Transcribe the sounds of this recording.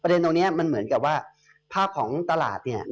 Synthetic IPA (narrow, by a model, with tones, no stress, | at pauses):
pɾa˧de˧nt̪o˧ŋnːi˦˥ɐ˩ma˧nmɯ˩˦ənka˨˩p̚waː˥˩ | pʰaː˥˩p̚kʰɔː˩˦ŋt̪a˧la̰ː˨˩t̪̚ni˥˩ɐ